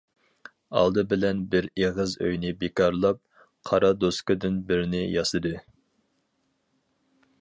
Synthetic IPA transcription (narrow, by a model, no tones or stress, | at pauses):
ɑ̰lˠd̪ɨbɪlɛnbɪɾeʁɨzø̰jnɪbekɑɾlˠɑp̚ | qʰɑɾɑd̪oskɨd̪ɪnbɪɾnɪjɑsɨd̪ɨ